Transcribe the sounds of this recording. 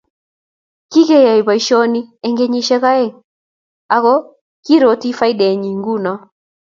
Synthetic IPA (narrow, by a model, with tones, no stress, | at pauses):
ki˦ɣɛ˦ja˨i˨βa˨iʃɔ˦ni˦ɛŋɡɛ˦ɲi˦ʃɛ˦ɣa˦ɛ˦˨ŋ | aɣɔ | ki˦ɾɔti˦fa˦i˦ɗɛ˨ɲi˨ŋɡu˦na˨